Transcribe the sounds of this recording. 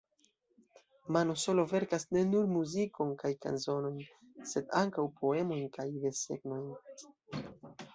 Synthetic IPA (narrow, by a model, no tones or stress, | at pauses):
manoso̞lo̞ve̞ɾkasne̞nuɾmuziko̞nkajka̰nso̞no̞jn | se̞daŋkawpʰo̞e̞mo̞jnkajveɾse̞̰ɡno̞jn